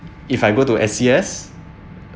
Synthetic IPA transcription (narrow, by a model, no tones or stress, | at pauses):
ifajɡotuʔɛsiɛs